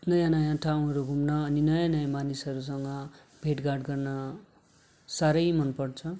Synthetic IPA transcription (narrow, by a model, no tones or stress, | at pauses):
nʌjãnʌjãʈʰaw̃ɦʌɾuɡʱumnʌːninʌjãnʌjamanisɦʌɾus̬ʌŋɡʌ | bʱeʈɡarɖɡʌrnʌ | saɾʌjmʌnpʌrt͡sʰʌ